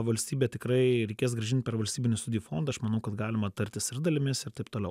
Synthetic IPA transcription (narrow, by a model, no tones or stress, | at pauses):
ʋɐlʲsʲt̪ʲiːbʲeːtʲɪkɾɐɪɾʲɛɪkʲeːs̬ɡɾɐʒʲɪnt̪̚ʲpʲɛɾʋɐlʲst̪ʲiːbʲɪnʲuːst̪ʊdʲɪjuːfond̪ɐʃmɐnɐʊkɐt̪ɡɑːlʲɪmɐt̪ɐɾʲt̪ʲɪsɪɾd̪ɐlʲɪmʲɪsɪɾt̪ɐɪp̚t̪oːlʲɛ̰ʊ